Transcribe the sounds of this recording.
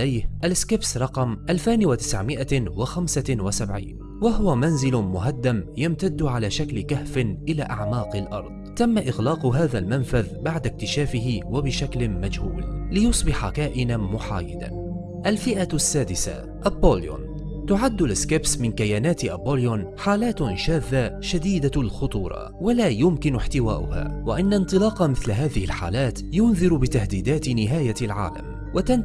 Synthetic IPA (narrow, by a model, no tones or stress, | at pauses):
lajhʔalɪskɪbsɾˤɑqɑmʔalfaːnwat̪ɪ̥sʕmɪʔawaxamsawasabʕḭːn | waɦʊwamanzɪlʊmʊɦad̪ːamjamt̪ad̪ːʕalaːʃaklɪkahfɪnʔɪlaːʔaʕmɑːqɪlʔɑɾˤd̪ˤt̪amːaʔɪɣlɑːqɦaːðalmanfaðbaʕd̪ak̚t̪ɪʃaːfɪɦɪwabɪʃaklɪmad͡ʒhṵːllɪjʊsˤbɪħakaːʔɪnanmʊħa̰ːjɪ̰d̪a̰ | ʔalfɪʔasːaːd̪ɪsa̰ | ʔaboːljo̰n | t̪ʊʕad̪ːʊlɪskɪbsmɪnkajaːnaːt̪ʔaboːljonħaːlaːt̪ʃaːðːaʃad̪iːd̪alxʊt̪ˤṵːɾˤɑ̰ | walaːjʊmkɪnʊħt̪ɪwa̰ːʔʊ̰ha̰ːwaʔanːant̪ˤɨlɑːqɑmɪθlɦaːðɪhɪlħa̰ːlaːt̪jʊnðɨɾbɪt̪ahd̪iːd̪aːt̪nɪɦaːjalʕa̰ːla̰m | wat̪an